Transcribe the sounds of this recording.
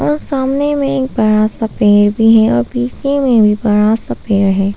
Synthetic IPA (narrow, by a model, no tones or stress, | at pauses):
ɔːɾsaːmnemẽeːk̚bɐɾasapeːɾbʱiɦɛɔ̰ːɾpiːsemẽbʱibɐɾasapeːɾɦɛː